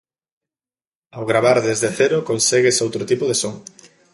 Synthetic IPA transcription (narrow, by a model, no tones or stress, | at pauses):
awɣɾaβaɾðezðeθɛɾokonseɣesowt̪ɾot̪ipoðesoŋ